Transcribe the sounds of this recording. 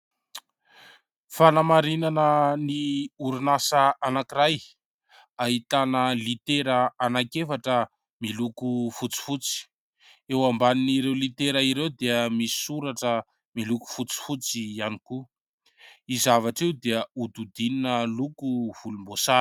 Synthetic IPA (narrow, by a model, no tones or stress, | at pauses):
fanamaɾinanəniuɾunasəanakiɾaj | aɦit̪anəlit̪eɾəanakefaʈ͡ʂə | milukufut͡si̥fut͡si̥ | ewambaniniɾewlit̪eɾəiɾewd̪eəmisi̥suɾaʈ͡ʂə | miluku̥fut͡si̥fut͡sianiku | izavaʈ͡ʂewd̪eəud̪ud̪ininəlukuv̥ulumbosa